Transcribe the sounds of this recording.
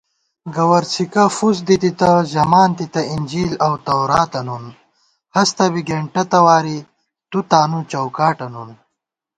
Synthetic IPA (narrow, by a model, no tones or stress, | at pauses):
ɡɐwɐɾsikɐfus̬d̪it̪it̪ɐʑɐmaːnt̪it̪ɐinʲd͡ʑiːlɐwt̪ɐwɾaːt̪ɐnun | hɐst̪ɐbiɡeɳʈɐt̪ɐwaːɾi | t̪ut̪aːnut͡ɕɐwkaːʈɐnun